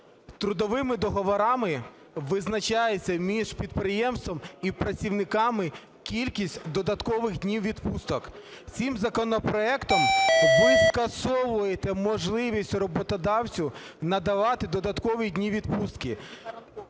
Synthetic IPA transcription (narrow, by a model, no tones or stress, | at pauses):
t̪ɾʊd̪ɔʋɪmɪd̪ɔɦɔʋɔɾɑmɪ | ʋɪznɐt͡ʃɑjet͡sʲːɐmʲiʒpʲid̪̚pɾɪjɛmst̪ʋɔmipɾɐt͡sʲiwnɪkɑmɪ | kʲilʲkʲisʲtʲd̪ɔd̪ɐt̪kɔʋɪɣdʲnʲiwʋʲid̪pust̪ɔk | t͡sʲimzɐkɔnɔpɾɔɛkt̪ɔmʋɪskɐsɔʋʊjet̪ɛmɔʒlˠɪʋʲisʲtʲrɔbɔt̪ɔd̪ɑwt͡sʲʊ | nɐd̪ɐʋɑt̪ɪd̪ɔd̪ɐt̪kɔʋidʲnʲiʋʲid̪pust̪kɪ